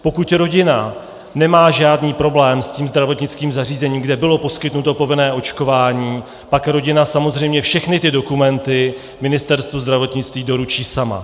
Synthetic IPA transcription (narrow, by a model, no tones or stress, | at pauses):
po̞kut̪ɾo̞ɟɪna | nɛmaːʒaːdniːpɾo̞blɛːmsciːmzd̪ɾavo̞t̪ɲɪt͡skiːmzariːzɛɲiːmɡdɛbɪlo̞po̞skɪt̪nut̪opo̞vɪnɛːʔo̞t͡ʃko̞vaːɲiː | pakɾo̞ɟɪnasamo̞zr̝ɛjmɲɛfʃɛxnɪt̪ɪdo̞kumɛnt̪ɪ | mɪnɪst̪ɛɾst̪vuzd̪ɾavo̞t̪ɲɪt͡st̪viːdo̞ɾut͡ʃiːsama̰